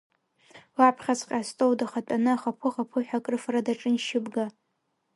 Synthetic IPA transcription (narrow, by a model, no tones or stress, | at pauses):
lapʰχʲat͡sʼqʲʼastʼowdaχatʼanɨaχapʷʰʊχapʰʊħʷᶣakʼrɨfradaʈ͡ʂʼɨnʃɪbɡa